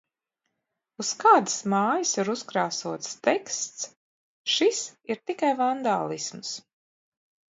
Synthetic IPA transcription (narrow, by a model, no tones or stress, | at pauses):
uskaːd̪smaːjəsiɾuskɾaːsuɔt̪st̪ɛkst̪s | ʃisiɾt̪ikajvand̪aːlˠisms